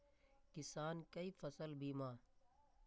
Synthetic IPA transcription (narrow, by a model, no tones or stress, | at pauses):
kɪsaːnkəiːfəsəlbiːmãː